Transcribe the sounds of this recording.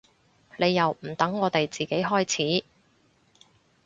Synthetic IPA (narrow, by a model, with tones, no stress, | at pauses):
le˨˧jːɐ˨wm̩˨˩t̪ɐ˨˥ŋːɔː˨˧t̪e˨jt͡siː˨ke˨˥jɦɔː˥jt͡sʰiː˨˥